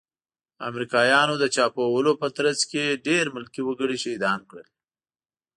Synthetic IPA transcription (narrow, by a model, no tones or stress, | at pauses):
a̰mɾikɑjɑnod̪ət͡ʃɑpowəlopət̪ɾazkeɖeɾmʊlkiwəɡəɽiʃed̪ɑnkɽə̰l